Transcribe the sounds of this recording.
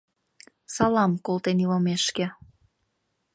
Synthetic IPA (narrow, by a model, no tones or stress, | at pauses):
sɑlɑmkolt̪eniləmeʃkĕ